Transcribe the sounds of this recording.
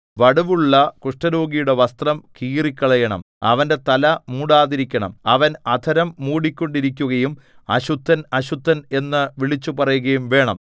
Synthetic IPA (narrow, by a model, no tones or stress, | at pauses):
ʋɐɽuʋuɭːɐkuʂʈɐɾo̞ːɡijuɽe̞ʋɐst̪rɐmkiːrikʲːɐɭɐjɐɳɐ̰m | ɐ̰ʋɐnde̞t̪ɐlɐmuːɽaːðiɾikʲːɐɳɐ̰mɐʋɐnɐd̪ʰʱɐɾɐmːuːɽikʲːo̞ɳɖiɾikʲːuɣɐjum | ɐ̰ɕut̪ʰːɐnɐɕut̪ːɐne̞nːɨʋiɭit͡ɕːupɐrɐjuɣɐjumʋe̞ːɳɐ̰m